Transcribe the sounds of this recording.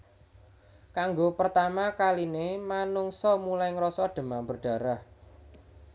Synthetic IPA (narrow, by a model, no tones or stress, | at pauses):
kaŋɡopərt̪amakalinemanuŋsɔmulajŋɾɔsɔɖ̥ə̤mambərɖ̥a̤ɾah